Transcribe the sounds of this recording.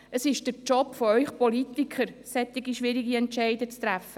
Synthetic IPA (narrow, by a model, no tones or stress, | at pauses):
əsɪʃd̥əɾt͡ʃɔpfɔœʏχpɔlit̪ikʰχəɾsɛt̪ːɪɡiʃʋɪɾiɡiɛntt͡ʃɛɪdət͡st̪ɾæfə